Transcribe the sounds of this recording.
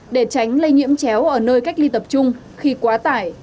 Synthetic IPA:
ɗe˧˩t͡ɕa˨˦jŋ̟lə˧jŋḭ˧˥əmt͡ɕɛ˨˦wʔəː˧˩nəː˧jka˦˥k̟̚li˧t̪ə˨˩p̚t͡ɕʊ˧ŋ͡m | xi˧kwaː˨˦t̪aː˧˩j

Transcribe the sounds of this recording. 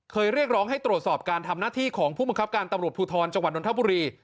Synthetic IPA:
kʰɤː˧jɾi˥˩ək̚ɾɔː˦˥ŋɦa˥˩jt̪ɾu˨˩t̪̚sɔː˨˩p̚kaː˧nt̪ʰa˧mnaː˥˩t̪ʰiː˥˩kʰɔː˩˦ŋpʰuː˥˩ba˧ŋkʰp̚kaː˧nt̪a˧mɾu˨˩ət̪̚pʰuː˧t̪ʰɔː˧nt͡ɕa˧ŋwa˨˩ɗo˧nt̪ʰa˥buː˧ɾiː˧

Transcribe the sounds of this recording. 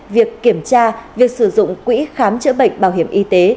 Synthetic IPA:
vi˨˩əkːi˧˩əmt͡ɕaː˧vi˨˩ək̚sɨ˧˩zʊ̰˧˨ŋ͡mkwḭ˧˥xaː˨˦mt͡ɕə̰˧˥ɓə̰˧˨jŋ̟ɓaː˧˩wɦi˧˩əmʔi˧t̪e˨˦

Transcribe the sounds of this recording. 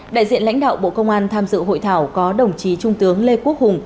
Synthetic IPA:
ɗa̰ː˧˨jzḭ˧˨ənla̰˧˥ŋ̟ɗa̰ː˧˨wɓo̰˧˨kə˧wŋ͡mʔaː˧nt̪ʰaː˧mzɨ̰˧˨ɦo̰˧˨jt̪ʰaː˧˩wkɔ˨˦ɗə˨˩wŋ͡mt͡ɕi˨˦t͡ɕʊ˧ŋ͡mt̪ɨ˨˦əŋle˧ku˦˥ək̚hʊ˨˩ŋ͡m

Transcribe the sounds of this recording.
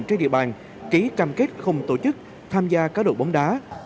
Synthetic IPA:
nt͡ɕnɗḭ˧˨ə˩ɓaː˨˩n | ki˨˦kaː˧mke˦˥t̚xə˧wŋ͡mt̪o˧˩t͡ɕɨ˦˥k̚ | t̪ʰaː˧mzaː˧kaː˦˥ɗo̰˧˩ɓa˨˦wŋ͡mɗaː˨˦

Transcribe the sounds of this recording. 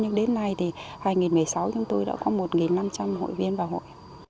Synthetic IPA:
ɲɨ˧ŋɗe˨˦nːa˧jt̪ʰi˨˩haː˧jŋi˨˩nmɨ˨˩əjsa˨˦wt͡ɕʊ˨˦ŋ͡mt̪o˧jɗa̰ː˧˥kɔ˨˦mo˨˩t̚ŋi˨˩nna˧mt͡ɕa˧mɦo̰˧˨jvi˧ənvaː˨˩wɦo̰˧˨j

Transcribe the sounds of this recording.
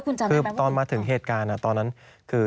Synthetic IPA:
kʰu˧nt͡ɕa˧ɯː˧t̪ɔː˧nmaː˧t̪ʰɯ˩˦ŋɦeː˨˩t̪̚kaː˧nːʔa˧˩t̪ɔː˧nːa˦˥n | kʰɯː˧

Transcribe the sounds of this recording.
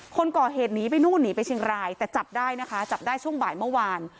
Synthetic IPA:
kʰo˧nkɔː˨˩ɦeː˨˩t̪̚niː˨˦pa˧jnuː˥˩nniː˩˦pa˧jt͡ɕʰi˧ŋɾaː˧jt̪ɛː˨˩t͡ɕa˨˩p̚daː˥˩jna˦˥kʰa˦˥t͡ɕa˨˩p̚daː˥˩jt͡ɕʰu˥˩əŋbaː˨˩jmɯ˥˩waː˧n

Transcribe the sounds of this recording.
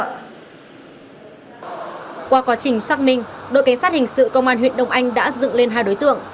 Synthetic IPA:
kwaː˧kwaː˨˦t͡ɕï˨˩ŋ̟saː˦˥k̚mï˧ŋ̟ɗo̰˧˨jkjsaː˦˥t̚hï˨˩ŋ̟sɨ̰˧˨kə˧wŋ͡mʔaː˧nɦwḭ˧˨ənɗə˧˨wŋ͡mʔa˧jŋ̟ɗa̰ː˧˥zɨ̰˧˨ŋle˧nɦaː˧jɗo˨˦jt̪ɨ̰˧˨əŋ

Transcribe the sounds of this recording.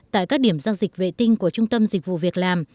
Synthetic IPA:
t̪a̰ː˧˨jkaː˦˥k̚ɗi˧˩əmzaː˧wzï˨˩k̟̚vḛ˧˨t̪ï˧ŋ̟ku˧˩ət͡ɕʊ˧ŋ͡mt̪ə˧mzi˨˩k̟̚vṵ˧˨vi˨˩ək̚laː˨˩m

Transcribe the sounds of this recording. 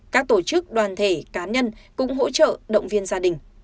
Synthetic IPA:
kaː˦˥k̚t̪o˧˩t͡ɕɨ˦˥k̚ɗwaː˨˩nt̪ʰe˧˩kaː˨˦ɲə˧nkʊ̰˧˥ŋ͡mɦo̰˧˥t͡ɕə̰ː˧˨ɗə̰˧˨wŋ͡mvi˧ənzaː˧ɗï˨˩ŋ̟

